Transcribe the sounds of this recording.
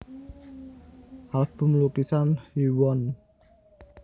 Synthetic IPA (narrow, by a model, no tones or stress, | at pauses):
ʔalb̥ṳmlukisanhiwɔn